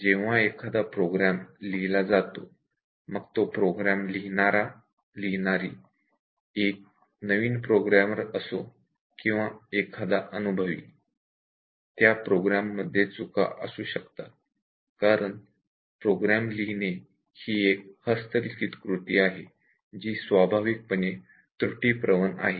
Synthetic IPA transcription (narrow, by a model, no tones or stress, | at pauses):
d͡ʑeʋ̤aekʰad̪apɾoɡɾamlilad͡zat̪o | məɡt̪opɾoɡɾamlinaɾa | linaɾiː | ek̚ | nəʋiːnpɾoɡɾaməɾəso | kĩw̃ʋaekʰad̪aʔənubʱəʋḭː | t̪japɾoɡɾamːəd̪ʱːjet͡sukʰa̰ʔə̰suːɕəkt̪a | kaɾəɳ | pɾoɡɾamliɦne | hiːek̚həst̪əɾikit̪kɾut̪iːaɦe | d͡ʑiːsʋabʱaʋik̚pəne | t̪ɾuʈiːpɾəʋəna̰ɦe